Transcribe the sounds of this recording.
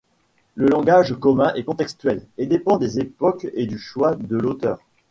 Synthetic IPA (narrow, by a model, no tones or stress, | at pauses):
ləlɑ̃ɡaʒkɔmɛ̃ʔɛkɔ̃t̪ɛkst̪ɥɛled̪epɑ̃d̪ezepɔked̪yʃwad̪əlot̪œ̰ːʁ